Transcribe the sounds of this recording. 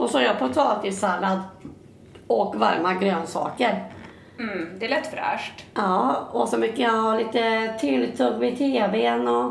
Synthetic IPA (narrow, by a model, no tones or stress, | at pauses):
ɔsɔæɾjɑpʰɔt̪ʰɑːt̪ɪsalːad̪ | ɔkva̰ɾmaɡɾøːnsɑ̰ːkəɾ | d̪ɛlɛt̪ːfœɾæ̰ːʂʈɑːɔsɔmʏkːəjɑhɑːliːt̪ət̪ʰɪlt̪ʰɵɡvɪt̪ʰeːbeːnɔ